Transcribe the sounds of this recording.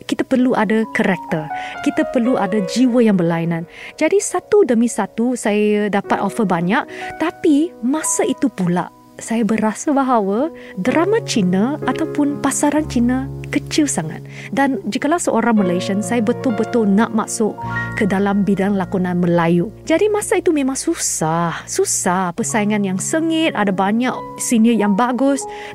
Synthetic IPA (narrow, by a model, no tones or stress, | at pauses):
kit̪apərluʔadakəɾɛk̚t̪əkit̪apərluʔadad͡ʒiwəjaŋbərlainãnd͡ʒadisat̪udəmisat̪usajədapat̪ofəbaɲaʔt̪apimãsait̪upula̰ʔ | sajabəɾasəbaɦawə | dɾʔamat͡ʃinəʔat̪awpʊnpasaɾant͡ʃinəkət͡ʃilsaŋa̰t̪̚ | dand͡ʒikəlawsəʔoɾaŋməleʃənsajabət̪ʊlbət̪ʊlnaʔma̰ʔsʊʔkədalambidaŋlakunanməlajud͡ʒadimãsait̪umẽmãŋsusahsusahpəsaiŋanjaŋsəŋɪt̪̚a̰dabaɲaʔsinəjaŋbaɡʊs